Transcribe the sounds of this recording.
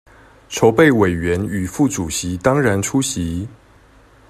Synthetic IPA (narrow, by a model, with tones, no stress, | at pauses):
ʈ͡ʂʰo˧˦ʊpe˥˨ɪwe˨˩ɪɥɛ˨˦ny˨˩fu˥˩ʈ͡ʂu˨˩ɕi˨˦t̪ɑ˥ŋɻa˧˦nʈ͡ʂʰu˥ɕi˨˦